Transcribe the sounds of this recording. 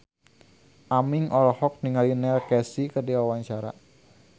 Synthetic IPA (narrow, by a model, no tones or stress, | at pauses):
ʔamiŋʔɔlɔhɔk̚niŋalinɛlkɛsikərdiwawaɲt͡ʃaɾa̰